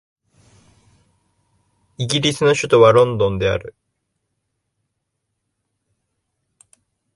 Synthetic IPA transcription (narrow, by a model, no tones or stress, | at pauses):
iɡʲiɾʲisɨno̞ɕɨt̪o̞βaɾõ̞nd̪õ̞nd̪e̞a̰ɾɯ̟